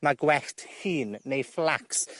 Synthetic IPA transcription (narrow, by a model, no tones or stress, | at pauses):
maɡwɛɬthiːnːejflaks